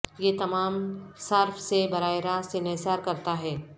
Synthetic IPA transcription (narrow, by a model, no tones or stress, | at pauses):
jet̪ɐmaːmsaɾfsebɐɾaːeɾaːsenesaːɾkɐɾt̪aɦɛː